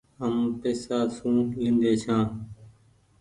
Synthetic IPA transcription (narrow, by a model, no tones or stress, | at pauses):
ɦəmːp̪eːsaːsũːɦĩːnd̪eːt͡ʃʰãː